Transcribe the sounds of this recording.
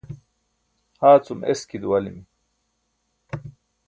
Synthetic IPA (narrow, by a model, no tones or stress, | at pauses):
haːt͡sumʔeskid̪uwɐlimi